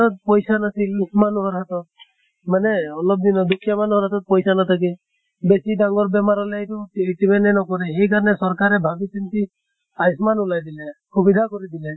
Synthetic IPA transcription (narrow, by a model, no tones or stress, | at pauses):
ɔt̪̚pɔjsanasilmanuɦɔɹɦat̪ɔt̪̚ | manɛɔlɔp̚d̪inɔd̪ukʰːjamanuɦɔɾɦat̪ɔt̪̚pɔjsanat̪ʰak̬i | besidaŋɡɔɹbɛmaɾɔlɛetutibɛnɛnɔkɔɾɛɦejk̬aɾnɛsɔɾkaɾɛbʱabisint̪i | ajsmanulajd̪ilɛxubid̪ʱakɔɾid̪ilɛ